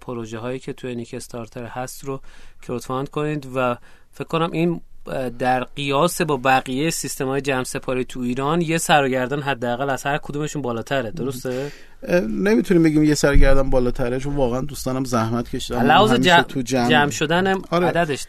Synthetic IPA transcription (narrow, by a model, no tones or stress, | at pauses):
pʰoɾoʒeɦɒːjiːcʰe̞t̪ʰujeniːkʰest̪ʰɒɾt̪ʰeɾhæst̪ɾocʰeɾot̪ʰfɒnd̪kʰo̞niːd̪væ | fekʰko̞næmʔind̪æɾɢijɒːse̞bɒːbæɣijejesist̪e̞mɒːjed͡ʒæmse̞pʰɒːɾiːt̪ʰuiːɾɒnje̞sæɾɒːɟæɾd̪ænɦæd̪ːeæɣælæz̥hæɾkʰod̪ume̞ʃuːnbɒːlɒːt̪ʰæɾed̪o̞ɾost̪e | nemit̪ʰuniːmbeɡimjesæɾɡæɾd̪ænbɒːlɒːt̪ʰæɾet͡ʃʰonvɒːɣeænd̪uːst̪ɒːnæmzæhmæt̪cʰe̞ʃid̪ælːæhɒːzemd͡ʒet̪ʰud͡ʒæmd͡ʒæmʃo̞d̪ænæmɾeæd̪æd̪e̞ʃ